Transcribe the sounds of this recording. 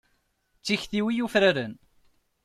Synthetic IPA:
t͡sːiçθiwijufɾaɾən

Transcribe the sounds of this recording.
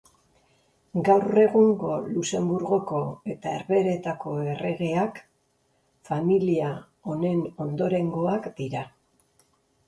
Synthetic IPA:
ɡawre̞ɣuŋɡo̞luse̞mbuɾɣo̞ko̞e̞t̪aeɾβe̞ɾe̞t̪ako̞e̞re̞ɣe̞ak | familia | o̞ne̞no̞nd̪o̞ɾe̞ŋɡo̞akd̪̥iɾa

